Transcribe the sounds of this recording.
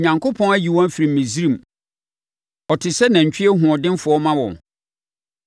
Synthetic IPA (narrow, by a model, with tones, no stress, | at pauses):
ɲã˨ŋkʰo˦pʰɔ̃˦næ˦ji˨wɔ̃˦n˦fi˨ɾĩ˨m̩˨mĩ˨zi˦ɾĩ˨m | ɔ˨tʰɪ˨sɛ˦nã˨ɲ̩˨t͡ɕʰᶣɪ˦ɛ˦ɦʊ̃˨ɔ˨dɪ̃˦n˦fʊ˨ɔ˦mã˦wɔ̰̃˨